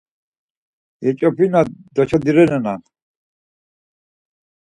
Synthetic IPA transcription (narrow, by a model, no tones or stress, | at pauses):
jɛt͡ʃʼɔpʰinad̪ɔt͡ʃʰad̪iɾɛnɛnan